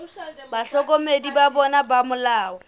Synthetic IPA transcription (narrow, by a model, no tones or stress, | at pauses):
baɬɔkomedibabɔnabamʊlaːɔ